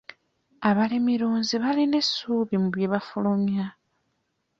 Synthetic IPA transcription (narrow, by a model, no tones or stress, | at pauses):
aβalimiɾuːnziβaline̞suːβimuβjeβafulomja